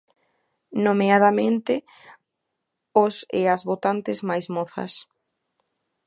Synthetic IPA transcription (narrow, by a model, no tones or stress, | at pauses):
nomeaðamẽnt̪ɪ | osḛazβot̪ant̪ɪzmajzmoθɐ̰s